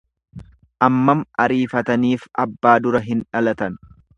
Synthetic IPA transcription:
ʔɐmːɐmʔɐɾiːfɐt̪ɐniːfʔɐbːaːd̪ʊɾɐɦɪnᶑɐlɐt̪ɐn

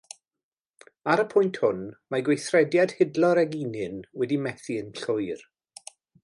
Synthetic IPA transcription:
aɾəpʰʊjntʰhʊnmaɡwejθrɛdjad̥hɪdlɔɾɛɡinɨnwɛdimɛθiənɬʊjr

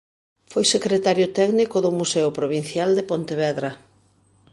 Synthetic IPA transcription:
fojsekɾet̪aɾjʊt̪ɛknikʊðʊmusɛʊpɾoβin̟θjald̪epont̪eβɛðɾɐ

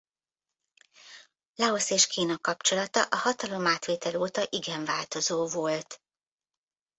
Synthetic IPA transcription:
lɒoseːʃkiːnɒkɒpt͡ʃo̞lɒt̪ɒʔɒhɒt̪ɒlo̞maːt̪ʋeːt̪ɛloːt̪ɒʔiɡɛɱvaːlt̪o̞zoːvolt̪

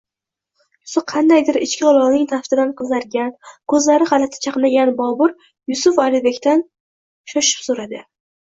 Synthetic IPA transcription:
jʊsʊqʰɑnd̪ajd̪ɪɾɪt͡ʃkʲɪɒlˠɒʁnɪŋt̪ʰaft̪ɪd̪anqʰɨzaɾɡʲankʰɵzlaɾɪχalat̪ʰɪ̥t͡ʃʰɑqnaɡʲanbɒbʊɾ | jʊsʊfɒlɪbe̞kʲt̪an | ʃɒʃɪ̥psoɾad̪ɪ

